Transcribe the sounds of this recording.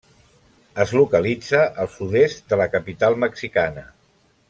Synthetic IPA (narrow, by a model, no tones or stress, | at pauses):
əzlukəlid͡zəʔəlˠsuðest̪d̪ələkəpit̪alˠməksikanə